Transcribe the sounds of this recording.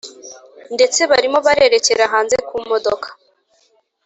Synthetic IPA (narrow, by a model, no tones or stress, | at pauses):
nde̞t͡se̞βaɾimo̞βaɾe̞ɾe̞ce̞ɾaɦaːnze̞kumo̞dokʰḁ